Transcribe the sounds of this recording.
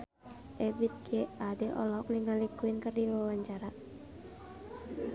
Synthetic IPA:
ʔɛbit̪̚ɡɛadɛʔɔ̰lɔk̚niŋalikuɪnkɨrdiwawaɲt͡ʃaɾa

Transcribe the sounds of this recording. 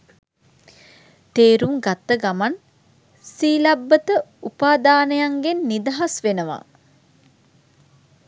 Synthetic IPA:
t̪eːɾumɡat̪ːəɡaman | siːlabːət̪əupaːd̪aːnəjaŋɡenːid̪aɦasʋenəʋa̰

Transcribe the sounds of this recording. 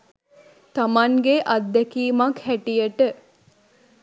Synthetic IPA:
t̪amaŋɡeʔɐd̪ːekiːmɐkhæʈijəʈə

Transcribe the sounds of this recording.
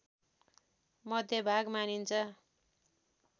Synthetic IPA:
mʌd̪ʱjʌbʱaɡmanint͡sʰʌ

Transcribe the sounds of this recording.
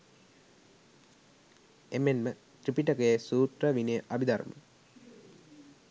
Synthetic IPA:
emenmə | t̪ripiʈəkəjesuːt̪rəʋinejəʔabid̪ɐɾmə̰

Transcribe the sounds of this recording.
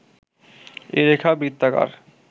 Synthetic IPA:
eɾekʰabɾit̪ːaka̰ɾ

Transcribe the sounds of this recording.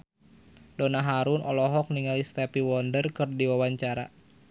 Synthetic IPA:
dɔnaɦaɾunɔlɔɦɔk̚niŋalist̪ɛpiwɔndərkɨrdiwawaɲt͡ʃaɾa

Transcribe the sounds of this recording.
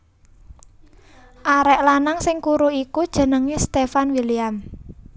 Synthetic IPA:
ʔaɾɛʔlanaŋsɪŋkuɾuikud̥ʒ̥ə̤nəŋist̪efanwiliam

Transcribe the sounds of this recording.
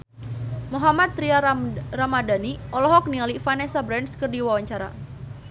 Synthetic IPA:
muɦamat̪̚ːɾiaramadaniʔɔlɔɦɔk̚nialifanɛsabɾɛnskərdiwawaɲt͡ʃaɾa̰

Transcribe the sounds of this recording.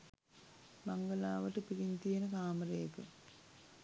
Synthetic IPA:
mɐŋɡɐlaːʋəʈəpiɾint̪ijenəkaːməɾejɐkə

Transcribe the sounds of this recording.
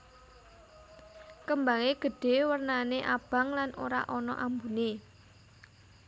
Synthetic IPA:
kəmbaŋeɡ̥ə̤ɖ̥e̤wərnaneʔab̥a̤ŋlanoɾa̰ʔɔnɔ̰ʔambune

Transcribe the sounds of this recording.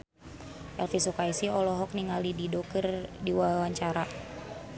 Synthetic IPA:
ʔɛlfisukaisiɔlɔɦɔk̚niŋalididɔkərdiwawaɲt͡ʃaɾa

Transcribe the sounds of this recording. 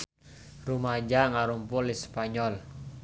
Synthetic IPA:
rumad͡ʒaŋaɾumpʊlispaɲɔl

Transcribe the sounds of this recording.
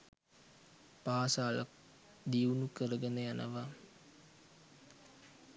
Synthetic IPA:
paːsaːla̰k̚ | d̪iunukəɾəɡənəjanʔə̰ʋa

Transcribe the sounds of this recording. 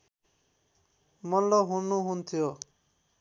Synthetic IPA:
mɔnlɔɦunuɦunt̪ʰijo

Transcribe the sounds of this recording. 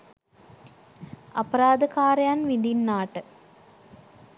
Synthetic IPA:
ɐpɐɾaːd̪ɐkaːɾjaːnʋind̪inːaːʈːɨ

